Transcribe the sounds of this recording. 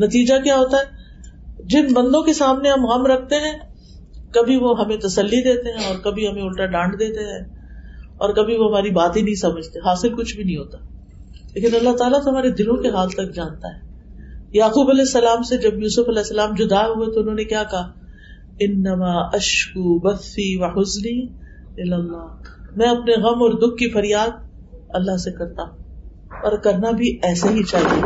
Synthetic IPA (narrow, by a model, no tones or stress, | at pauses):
nɐt̪iːd͡ʒakjaːɦoːt̪aɦɛː | d͡ʒɪnbɐ̃nd̪õkesaːmneɦɐmɣɐmɾɐk̚ʰt̪eɦɛ̃ː | kɐbʱiʋoɦɐmẽt̪ɐsɐlːid̪eːt̪eɦɛ̃ɔːɾkɐbʱiɦɐmẽʊlʈaɖãːɳɖd̪eːt̪eɦɛ̃ː | ɔːɾkɐbʱiʋoɦɐmaːɾibaːt̪ẽnɐɦĩsɐməd͡ʒʱt̪eɦaːsɪlkʊt͡ʃʰbʱinɐɦĩɦoːt̪a | leːkɪnɐlːaɦt̪aːlat̪oɦɐmaːɾed̪ɪlõkeɦaːlt̪ɐk̚d͡ʒaːnt̪a̰ɦɛː | jaːquːbɐlɛːsːɐlaːmsed͡ʒɐbjuːsʊfɐlɛːsːɐlaːmd͡ʒʊd̪aɦuet̪oʊnɦõːnekjaːkɐɦaː | ɪnːɐmaːʔɐʃkubɐθːiːwɐħʊzniː | ɪlɐlːaːmɛ̃ɐpneɣɐmɔːɾd̪ʊk̚ʰːifɐɾjaːd̪̚ | ɐlːaɦsekɐɾt̪ã | ɔːɾkɐɾnabʱiɛːsaɦit͡ʃaːɦie